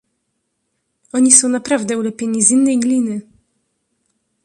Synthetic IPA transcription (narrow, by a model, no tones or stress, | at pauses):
ɔɲisɔ̃w̃napɾavd̪ɛulɛpʲjeɲizinːɛjɡlʲinɘ